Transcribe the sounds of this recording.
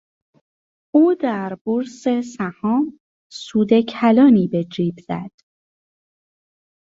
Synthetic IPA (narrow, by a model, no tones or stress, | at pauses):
uːd̪æɾboɾse̞sæhɒːm | suːd̪e̞cʰælɒːniːbe̞d͡ʒiːbz̥æ̰d̪̥